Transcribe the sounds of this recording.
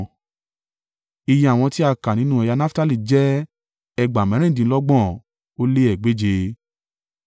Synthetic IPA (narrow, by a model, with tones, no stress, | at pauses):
i˧jĩ˧˦a˨w̃ɔ̃˧ti˦a˧ka˨nĩ˨˦nũ˦ɛ˧ja˧na˦fta˦li˦˨d͡ʒɛ˦ | ɛ˧ɡ͡ba˨mɛ̃˨˦ɛ̃˦˨dĩ˨˦lɔ˦ɡ͡bɔ̃˦˨ | o˦le˦ɛ˨ɡ͡be˨˦d͡ʒe˧